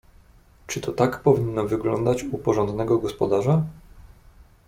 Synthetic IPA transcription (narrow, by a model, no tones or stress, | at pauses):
t͡ʂɘt̪ɔt̪akpɔvʲinːɔvɘɡlɔ̰nd̪at͡ɕupɔʐɔnd̪nɛɡɔɡɔspɔd̪aʐa